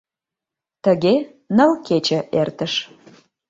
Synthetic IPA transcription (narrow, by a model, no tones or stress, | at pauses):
t̪əɣe | nə̆lket͡ɕə̆ʔert̪əʃ